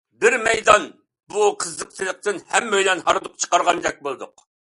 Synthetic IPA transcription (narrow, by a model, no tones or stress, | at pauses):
bɪɾmɛjd̪ɑn | buqʰəzːəq̚t̪ʰɨlˠəq̚t̪ɨnhɛmːøjlɛnhɑɾd̪ʊq̚t͡ʃʰə̥qɑɾʁɑnd͡ʒ̪ɛk̚ʲbolˠɨd̪ʊq